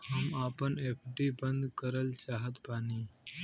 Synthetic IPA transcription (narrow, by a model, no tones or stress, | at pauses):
ɦəmaːpəneːpʰɖiːbə̃nd̪kəɾəlt͡ʃaːɦət̪paːniː